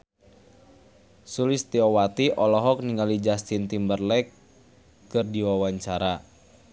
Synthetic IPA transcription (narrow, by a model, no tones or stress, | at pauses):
sulɪst̪iɔwat̪iʔɔlɔɦɔk̚niŋalid͡ʒast̪int̪imbərlɛkː | ɨrdiwawaɲt͡ʃaɾa